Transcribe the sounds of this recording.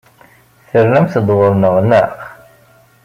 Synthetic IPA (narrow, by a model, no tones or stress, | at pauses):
θəɾnæmθd̪ˤwəɾˤnəʁnəq